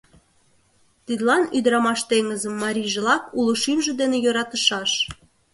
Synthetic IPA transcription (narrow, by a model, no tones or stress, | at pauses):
t̪id̪lɑnyd̪ɾɑmɑʃt̪eŋəzə̆mːɑɾʲiʒĕlɑkuləʃimʒĕd̪enejoɾɑt̪əʃɑʃ